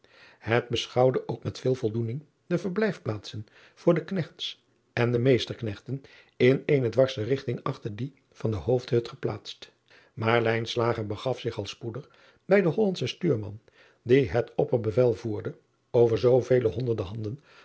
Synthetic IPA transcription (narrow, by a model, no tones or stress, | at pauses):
ɦəd̚bəsχɑwdəʔoʊkmɛtfɪːlˠvɔlˠdunɪŋ | dəvəɹblɛjfplaːtsən | v̥ʊːɹdəknɛχts | ɛndəmejstəɹknɛχtən | ɪneːjnədʋɑɹsərɪχtɪŋɑχtəɹdi | v̥ɑndəɦowfthɵtχəplaːtst | maːɹlɛjnslaːχəɹbəχɑfsɪχɑlˠspudəχ | bɛjdəɦɔlɑntsəstyːɹmɑ̰n | diɦətʰɔpəɹbəvɛlˠvuːɹdə | owvəɹzowvejləɦɔndəɹdəɦɑndən